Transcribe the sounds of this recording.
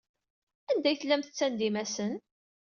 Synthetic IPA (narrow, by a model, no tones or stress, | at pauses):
ænd̪æjθəlːæmθət͡sːænd̪imæsən